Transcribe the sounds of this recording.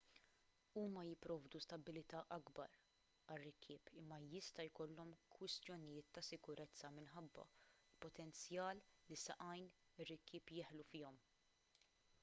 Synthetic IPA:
uːmɐjɪpːɾɔːvd̪ust̪ɐbːɪlɪt̪ɐːʔɐɡbɐ̰ɾ | ɐrːɪkʰːɪːpɪmːɐjɪst̪ɐjkɔlːɔmkwɪst̪jɔnɪjɪːt̪ːɐsɪkʊɾʔɛt͡sːɐmɪnħɐbːɐ̰ | lpɔt̪ɛnt͡sjɐːlːisɐʔɐjnɪrːɪkːɪːpjɪːħlufɪːɔm

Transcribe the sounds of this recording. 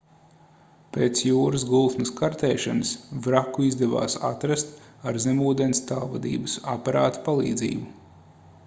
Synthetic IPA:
peːt̪sjuːɾɨs̬ɡulˠt̪nɨskaɾt̪eːʃanɨsvɾakːuizd̪ɛva̰ːsa̰t̪ɾast̪aɾzɛmuːd̪enst̪alˠvad̪ḭːbɨsa̰paɾa̰ːt̪u̥palˠḭːd̪zḭːbu

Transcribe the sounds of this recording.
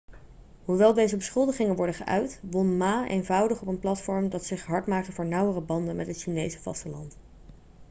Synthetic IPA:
ɦuʋɛlˠdejzəbəsχɵlˠdəχɪŋənʋɔɹdəχəʔœ̰ɥtʋɔnmaːʔḛjnvʌwdəχɔpənplɑtfɔɹmdɑtsɪχɦɑɹtmaːktəvʊːɹnʌwərəbɑndənmʔɛtɦətʃinejzəv̥ɑ̰stəlɑ̰nt

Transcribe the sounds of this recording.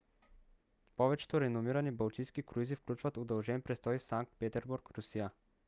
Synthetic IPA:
pɔvɛt͡ʃɛ̥t̪oɾɛnomiɾanibalˠt̪ijskikɾuizifklʲut͡ʃvat̪od̪ɛlˠʒɛnpɾɛst̪ɔjfsaŋk̚t̪̚pɛt̪ɛɾbuɾkɾusija

